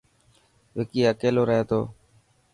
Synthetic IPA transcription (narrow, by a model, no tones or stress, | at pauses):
ʋeːkiːaːkeːloːɾəɦeːt̪o̰ː